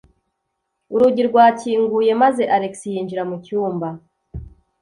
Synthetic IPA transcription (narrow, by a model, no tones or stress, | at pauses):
uɾuɟiɾɡwaːciːŋɡuje̞maze̞ʔaɾe̞ksijiːɲd͡ʒiɾamucuːmba